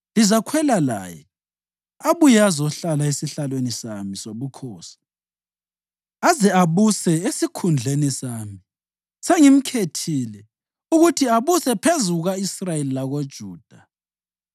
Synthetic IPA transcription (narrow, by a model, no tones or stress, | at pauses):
lizakʰwɛlala̰ːjɛ | aβujazɔɬalaesiɬalwenisamisoβukʰɔːsi̥ | azɛaβusɛesikʰund͡ɮʱenisami | seŋim̩kʰetʰilɛ | uɣutʰiaβusɛpʰezuɣaisrajelilaɣod̥ʒ̥ʱuːd̥ʱa